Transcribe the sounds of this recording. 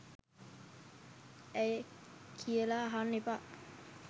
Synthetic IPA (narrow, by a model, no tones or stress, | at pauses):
ɛjkʰiəlaɦanːipaʔ